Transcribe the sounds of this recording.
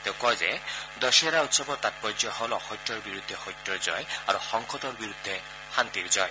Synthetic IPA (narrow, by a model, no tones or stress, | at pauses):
t̪ewkɔzed̪ɔʃɔɾaut̪sɔbɔɾt̪at̚pɔd͡ʒɔhɔlɔxɔjtːɔɹbiɾud̪ʱːexɔjtːɔɹzɔjaɾuxɔŋkʰɔtɔɹbiɾud̪ʱːe | hant̪iɾzɔj